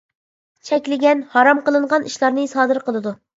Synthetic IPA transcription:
t͡ʃʰɛkʲlɪɡʲɛnhɑɾɑmqəlˠɨɴʁɑnʔiʃlˠɑɾnɨsɑːd̪ɨɾqəlˠɨd̪u

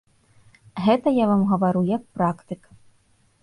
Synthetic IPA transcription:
ɣɛt̪ɐjavamɣɐvaɾujɐk̚pɾakt̪ɨkɐ

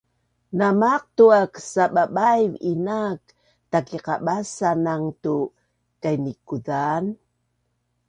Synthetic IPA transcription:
namaq̚tuaksaɓaɓajvinak | takiqaɓasanaŋtu | kajnikuðan

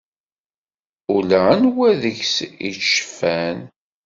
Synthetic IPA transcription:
ulaənwæðəçsḭʃə̥fæn

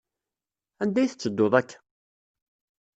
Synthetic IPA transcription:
ænd̪æjθə̥t͡sːəd̪ːoðˤækː

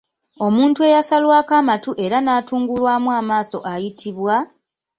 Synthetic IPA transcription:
o̞muːntue̞jasalwaːkaːmatuʔe̞ɾanaːtuːŋɡulwaːmuaːmaːso̞ʔajitʰiβwa

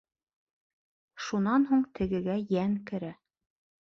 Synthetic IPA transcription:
ʃunɑnɦuɴt̪ʰɘ̆ɡɘ̆ɡæjæŋkɘ̆ɾæ

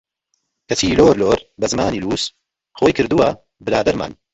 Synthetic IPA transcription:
kɐtiːloːɾloːɾbɐzɨmaːniːluːs | xoːjkʰɨɾd̪uwɐ | bɨɾaːd̪ɐɾma̰ːn

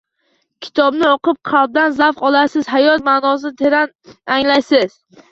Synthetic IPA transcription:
kʲʰɪ̥t̪ʰɒbnɪɒqɨp̚qʰɑlˠb̚d̪anzafqɒlˠasɪzɦajɒt̪maːnɒs̬ɪt̪ʰeɾanaŋlajsɪz̥

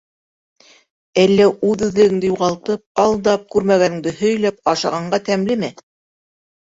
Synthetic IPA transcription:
ælːæʉðʉðlɘ̆ɡɘ̆ŋd̪ɘjuʁɑlˠt̪ɤp̚ɑlˠd̪ɑp̚kʉɾmæɡænɘ̆ŋd̪ɘhɵ̆jlæp̚ɑʃɑʁɑɴɢɑt̪æmlɘmɘ

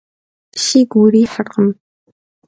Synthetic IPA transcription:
ʃiːɡʷuːɾiːħərqəm

